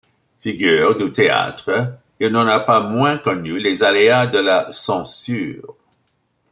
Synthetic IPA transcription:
fiɡyːʁd̪yt̪ea̰t̪χə | ilnɑ̃napamwɛ̃kɔnylezalead̪əlasɑ̃syːʁ

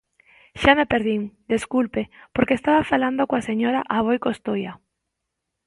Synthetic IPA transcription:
ʃamepeɾðiŋd̪eskulpepoɾkeːst̪aβafaland̪okoaseɲoɾaʔaβ̞ojkost̪oja

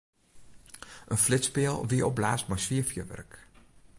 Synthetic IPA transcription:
ʔənflɪtspɪəlˠʋiəʔɔb̚laːstmɛjsʋiəfjəʋɛ̰rk

